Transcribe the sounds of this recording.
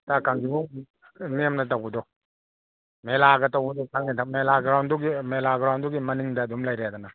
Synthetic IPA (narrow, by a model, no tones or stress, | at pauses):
takaŋɡibu | mijamnat̬awɡɔdɔ | melaɡɐtawɡɐdɔkʰaŋnitamelaɡɾawnduɡimelaɡɾawnduɡimɐniŋdaːdumlajɾaadana